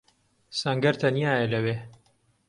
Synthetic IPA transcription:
sɐŋɡɐɾt̪ʰɐnjaːjɐlɐweː

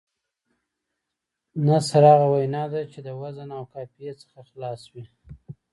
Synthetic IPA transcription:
nasaɾɑɣawajnɑd̪at͡ʃed̪əwazənawkɑpijet͡sə̥xaxlɑswi

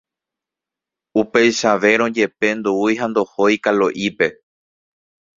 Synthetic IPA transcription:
upe̞jʃaʋe̞ɾ̃õd͡ʒe̞pe̞nd̪uujɦãnd̪o̞hojkaloʔipe̞

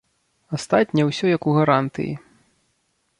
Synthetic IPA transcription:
ast̪at̪ʲnʲɛwsʲɔjɐkuɣaɾant̪ɨ̰jḭ

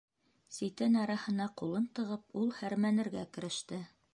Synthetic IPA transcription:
sit̪ɘnɑɾɑhɤ̆nɑqulˠɤnt̪ɤ̆ʁɤp̚ulˠhæɾmænɘ̆ɾɡækɘ̆ɾɘ̆ʃt̪ɘ

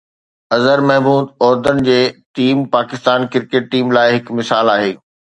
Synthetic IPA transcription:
ɐzəɾmɛɦmuːd̪ɔːɾd̪ənɪ̆d͡ʑeːʈiːmpaːkɪst̪aːnkɪɾkeːʈ̚ʈiːmlaːɪɦɪkmɪsaːlaːɦeː

